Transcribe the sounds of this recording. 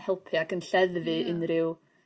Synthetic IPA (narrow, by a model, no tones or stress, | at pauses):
hɛlˠpʰiaɡənɬɛðvɨɪnrɪw